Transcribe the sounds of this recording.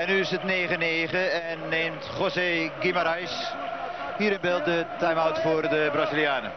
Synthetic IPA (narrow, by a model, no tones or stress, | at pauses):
ɛnːyɪsətneːχəneːχəɛnːeːmtχoseɡimaɾajs | hiːɾənbeːlˠt̚dətajmawtfʊːrdəbrazilˠjaːnə̰